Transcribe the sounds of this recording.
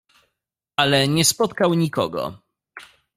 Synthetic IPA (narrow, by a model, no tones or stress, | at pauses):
ʔalɛɲɛspɔt̪kawɲikɔ̰ɡɔ̰